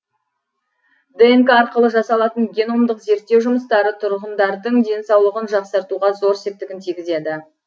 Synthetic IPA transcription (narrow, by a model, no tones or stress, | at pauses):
d̪eŋkɑɾqəlˠəʒɑsɑlˠɑt̪əɴɡʲe̞no̞md̪əqze̞ɾt̪ːe̞wʒʊməst̪ɑɾət̪ʰʊɾʁənd̪ɑɾd̪əɴd̪e̞nsɑwlˠəʁənʒɑqsɑɾt̪uʁɑzo̞ɾsep̚t̪ɪɡʲɪnt̪ʰijɡʲɪze̞d̪ɪ